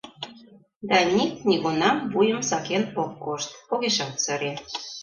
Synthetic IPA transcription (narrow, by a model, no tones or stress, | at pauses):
d̪ɑnʲiknʲiɣunɑmvujəmsɑkenokːoʃt̪poɣeʃɑlt̪səɾe